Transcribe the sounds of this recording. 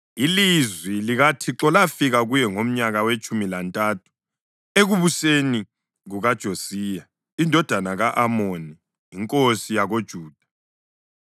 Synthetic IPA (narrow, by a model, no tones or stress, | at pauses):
ilizwiliɣatʰiǁɔlafiɣaɣujɛŋom̩ɲaɣawet͡ʃʼumilantʼaːtʰu̥ | eɣuβuseni | ɣuɣad̥ʒ̥ʱosiːja | indʱɔd̥ʱanaɣaʔamoniː | ŋkʼosijaɣod̥ʒ̥ʱuːd̥ʱḁ